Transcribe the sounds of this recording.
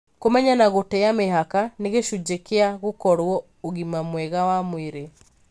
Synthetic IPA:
komɛɲanaɣotɛameɦakaneɣeʃud͡ʑekeaɣokɔɾwɔ | oɣimamwɛɣawamweɾe

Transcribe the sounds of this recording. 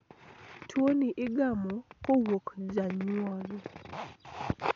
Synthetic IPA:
tʰwoniʔɪɡamɔkowokd͡ʒaɲwɔlɔ

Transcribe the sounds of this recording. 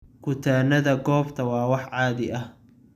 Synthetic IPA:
kʰʊt̪ʰaːnɐðɐɡɔːbt̪ʰɐwɑːwɑħʕɑːðɪʔɐh

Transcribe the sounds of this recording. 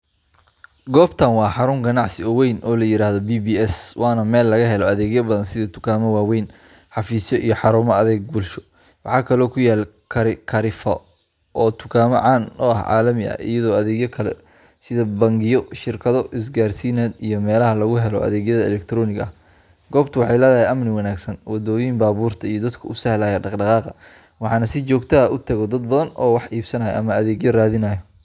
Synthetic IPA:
ɡɔːbt̪ʰanwɑːħɑɾʊŋɡɐnɑʕsɪɔwɛjnʔɔːlɐjɪɾaːɦðɔbiːbiːɛswɑːnɐmɛːlːɐɣɐɦɛlɔɐðɛːɣjɐbɐðɐnsɪðɐt̪ʰʊ̥kʰaːmɔwaːwɛjn | ħɑfiːsjɔʔijɞħɑɾuːmɐɐðɛːɡ̚buːlʃɔ̥ | wɑħɑːkʰɐlɔːkʰʊjaːl | kʰɐɾkʰɐɾɪfɐ | ʔɔːt̪ʰʊ̥kʰaːmɔʕɑːnʊɐhʕɑ̰ːlɐmɪʔɐ̰ḭjɐðɔːɐðɛːɣjɐkʰɐlɛ̰ | sɪðɐbɐŋɡɪjɔʃɪrkʰɐðɔɪs̬ɡaːrsiːnɛːd̪ijɞmɛːlɐɦɐlɐɣʊɦɛlɔʔɐ̰ðɛːɣjɐðɐɛlɛk̚t̪ʰɾɔːnɪɣɐɐ | ɡɔːbt̪ʰʊwɑħɑjlɛːðɐhɛjʔɐmnɪwɑnaːɡsɐnwɐd̪ɔːjimbaːβuːrt̪ʰɐijɔd̪ɐd̪kʰʊʊsɐhlaːjɐɖɑqɖɑqɑːqɑ | wɑħɑːnɐsɪt͡ʃɔːɡt̪ʰɐɐʔʊt̪ʰɐɣɔd̪ɐd̪̚bɐðɐnɔːwɑħʔiːbsɐnɐjɐ̰ʔɐmɐɐðɛːɡjɔraːðɪnɐjɔ

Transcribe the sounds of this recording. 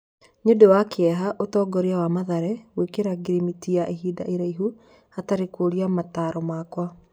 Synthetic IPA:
ɲodowakeɛɦaʔotɔːɡɔɾeawamaðaɾɛwekeɾaɡɾimitiaʔeɦiːda̰ʔeɾaiɦu | hataɾekoɾiamataɾɔmaːkwa

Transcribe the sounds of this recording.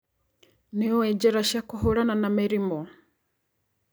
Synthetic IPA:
niɔwɛd͡ʒɛɾaʃakuɦuɾananamiɾimɔ

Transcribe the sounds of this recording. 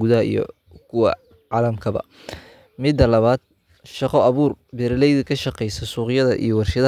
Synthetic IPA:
ɡʊðɐɦɐḭjɔ̰ | kʰʊwɐ̰ | ʕɑːlɐmkʰɐβɐ̰ | mɪd̪ːɐlɐβaːd̪̚ | ʃɑqɔɐβuːrbɛɾlɛjðɐkʰɐʃɑqɛjsɐsuːqjɐðɐ̰ʔḭjɔwɑrʃɪða

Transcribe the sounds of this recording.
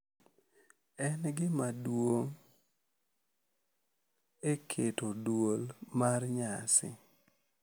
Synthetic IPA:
ɛnɡɪmadwoŋ | ekʰetodwolmarɲasɪ̰

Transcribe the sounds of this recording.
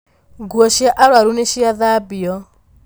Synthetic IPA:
ɡuɔʃiɛʔaɺwaɾuneʃiaðabiɔ

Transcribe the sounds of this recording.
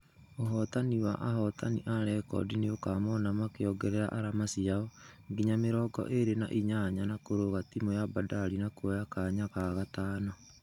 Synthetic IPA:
oɦɔtaniwaʔahɔtanḭʔaɾɛkɔ̰dineokamɔnamakeɔɡɛɾɛɾa̰ʔaɾamasiaɔŋɡiɲameɾɔːɡɔ̰ʔeɾena̰ʔiɲaɲanakoɾoɣatimojabadaɾinakwjakaɲakaɣataːnɔ

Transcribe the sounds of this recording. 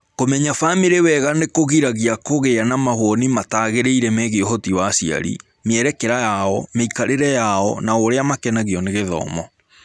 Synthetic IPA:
komɛɲafamiɾewɛɣanekoɣiɾaɣiakoɣeanamahwɔnimataːɣeɾeiɾɛmeɣeɔɦɔtiwasia̰ɾḭ | meɛɾɛkɛɾajaɔmeikaɾeɾɛjaɔnaoɾeamakɛnaɣiɔneɣeðɔ̰ːmɔ

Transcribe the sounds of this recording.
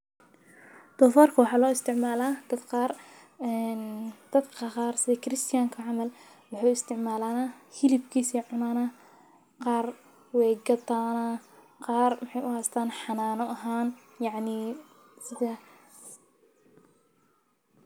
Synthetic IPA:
d̪̥ɔfɔːrkʰɐwɑħɑːlɔːɪst̪ʰɪʕmaːlaːd̪̥ɐd̪qɑːr | ɛnd̪̥ɐd̪kʰɐqɑːrsɪðɛkʰɪɾɪst̪ʰɪjaːŋkʰɐʕɑmɐl | wɑħɑːɪst̪ʰɪʕmaːlaːnaːhɪlɪbkʰiːsiʕʊnaːna | qɑːr | wɛːɡɐt̪aːna | qɑːrmɪħɑjʊhɛːst̪ʰaːnħɑnaːnɔʔɐɦaːn | jɑʕniː | sɪðæ

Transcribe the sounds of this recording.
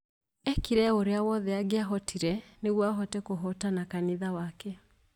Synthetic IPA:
ɛkiɾɛoɾeawɔðɛaɡeaɦɔtʰiɾɛneɣwaɦɔtɛkoɦɔtanakaniðawakɛ

